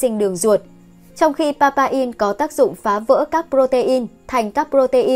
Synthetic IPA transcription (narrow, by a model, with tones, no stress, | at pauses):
ï˧ŋ̟ɗɨ˨˩əŋzu˨˩ət̚ | t͡ɕɔ˧wŋ͡mxi˧paː˧paː˧ʔi˧nkɔ˨˦t̪aː˦˥k̚zʊ̰˧˨ŋ͡mfaː˨˦və̰ː˧˥kaː˦˥k̚pɾo˧t̪e˧ʔi˧nt̪ʰa˨˩jŋ̟kaː˦˥k̚pɾo˧t̪e˧ʔi˧